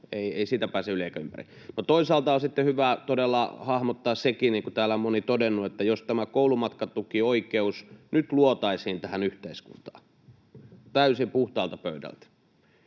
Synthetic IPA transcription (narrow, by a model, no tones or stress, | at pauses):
eieisiːt̪æpæːseylieikæympæ̰rḭ | not̪oisɑlt̪ɑosit̪ːehyʋæt̪odelːɑhɑhmot̪ːɑːssekiniːŋkut̪æːlæmːonit̪odenːuet̪ːæjost̪æmækoulumɑt̪kɑt̪ukioikeusnyt̪luot̪ɑisiːnt̪æhænyht̪eiskṵnt̪ɑ̥̰ː | t̪æysimpuht̪ɑːlt̪ɑpøydæ̰lt̪